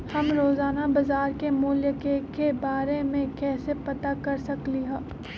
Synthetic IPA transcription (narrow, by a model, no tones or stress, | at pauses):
hɐmɾoːzaːnabɐzaːɾkemuːljəkekebaːɾemẽkɛːsepɐt̪akɐɾsɐkliɦɛ̃ː